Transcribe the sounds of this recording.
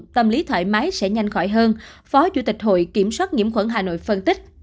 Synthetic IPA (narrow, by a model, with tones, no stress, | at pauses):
t̪ə˧mli˨˦t̪ʰwə̰ː˧˩jma˨˦jsɛ̰˧˥ɲa˧jŋ̟xɔ˧˩jɦəː˧nfɔ˨˦t͡ɕṵ˧˩t̪i˨˩k̟̚ɦo̰˧˨jki˧˩əmswaː˦˥t̚ŋi˧˩əmxwə˧˩nɦaː˨˩no̰˧˨jfə˧nt̪ï˦˥k̚